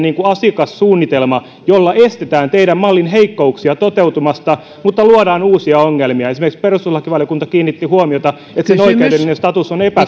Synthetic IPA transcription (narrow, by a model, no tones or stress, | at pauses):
niːŋkuɑsikɑssuːnːit̪elmɑ | jolːɑʔest̪et̪æːnt̪eiɾæmmɑlːinɦeikːouksiɑt̪ot̪eut̪umɑst̪ɑ | mut̪ːɑluoɾɑːnuːsiɑoŋːelmiɑesimerkiksperust̪uslːɑkiʋɑljokunt̪ɑkiːnːit̪ːihuomiot̪ɑ | et̪senoikeydeminest̪ɑt̪usonepæ